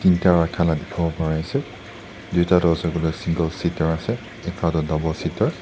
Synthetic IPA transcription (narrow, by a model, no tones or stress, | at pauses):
tintaɹakʰaladɛkʰɔbɔpaɹaasɛ | dujtadɔzɔɡɔlɔjsiŋɡɔlsitɔɹasɛ | ɛkʰatɔdabɔsitɔɹ